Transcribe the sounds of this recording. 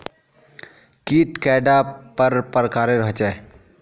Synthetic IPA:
kiːʈkɛːɖapəɾpəɾkaːɾeɾəɦt͡ʃɛː

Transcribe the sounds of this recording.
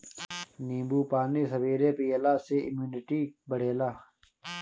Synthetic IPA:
niːbuːpaːniːsɐbiːɾeːpijelaːseimjuːnɪʈiːbəɽ̤eːlaː

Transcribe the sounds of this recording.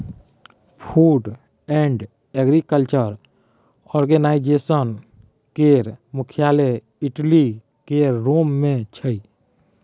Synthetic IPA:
pʰuːɖ | ɛ̃ɳɖ | eɡɾikəlt͡ʃəɾ | ɔːɾɡenaːɪd͡ʒeːsən | keɾmʊkʰijaːle | ɪʈli | keɾoːmːẽt͡ʃʰəi

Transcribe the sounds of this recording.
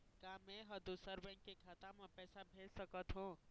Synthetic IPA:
kãːmẽɦɐd̪usəɾbɛ̃ːŋkːekʰaːt̪ãmẽpɛːsabʱeːd͡ʒsəkət̪ɦũː

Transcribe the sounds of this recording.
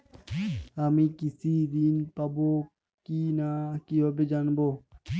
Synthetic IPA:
amĩːkisiːd̪iːnpɐboː | kiːnakijobɪd͡ʒanboː

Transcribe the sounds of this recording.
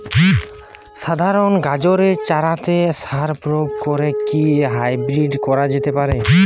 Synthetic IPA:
ʃad̪ʱaɾonɡad͡ʑoɾet͡ʃaɾat̪esaɾpɾoɡ̚kɔɾekiɦajbɾiɖkɔɾad͡ʑet̪epaɾe

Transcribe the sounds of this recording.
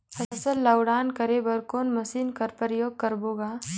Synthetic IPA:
hɐsəlːɐwɽaːnkɐɾebɐɾkoːnmɐsiːnkɐɾpəɾjoːɡ̚kɐɾboːɡaː

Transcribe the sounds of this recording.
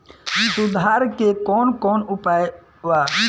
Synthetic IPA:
sʊd̪ʱɦaːɾkekɔːnkɔːnʊpaːj | ʋa

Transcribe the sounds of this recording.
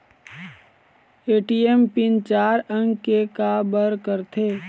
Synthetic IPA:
eːʈiempɪnt͡ʃaːɾə̃ŋɡkekabəɾkəɾt̪ʰeː

